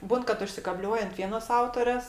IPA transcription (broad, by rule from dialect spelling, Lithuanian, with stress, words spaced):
ˈbuːn kɐt ʊʃʲsʲɪkɐˈbʲlʲuɔj ɐnt ˈʋʲiɛnoːs ˈɐʊtoːrʲeːs